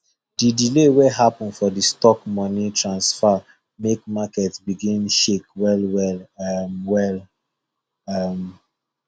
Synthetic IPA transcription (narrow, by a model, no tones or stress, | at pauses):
didileweɦapɔ̃nfɔdistɔkmɔnitʰɹãnsfa | mekmakɛtsbiɡĩnʃekwɛlwɛlamwɛl | am